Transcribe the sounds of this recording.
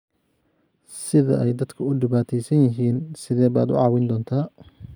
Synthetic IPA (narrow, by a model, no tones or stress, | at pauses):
sɪðɐ̰ʔɛjd̪ɐd̪kʰɐʊɖɪβaːt̪ʰɛjsɐnjɐɦiːnsɪðɛːba̰ːd̪ʊ̰ʕɑːwɪnd̪ɔːnt̪ʰaː